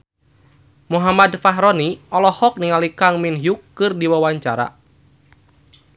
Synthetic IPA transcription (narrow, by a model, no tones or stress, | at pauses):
muɦamadfaɦɾɔniɔlɔhɔk̚niŋalikaŋminɦjukːɨrdiwawaɲt͡ʃaɾa̰